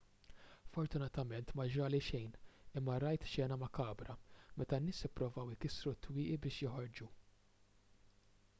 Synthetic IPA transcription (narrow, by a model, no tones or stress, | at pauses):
fɔɾt̪ʊnɐt̪ɐmɛnt̪mɐd͡ʒɐːliʃɛjnɪmːɐɾɐjt̪ʃɛːnɐmɐkɐːbɾɐmɛt̪ɐnːɪːsɪpːɾɔvɐwɪkɪsɾut̪ːwɪːʔibɪːʃjɪħɔɾd͡ʒu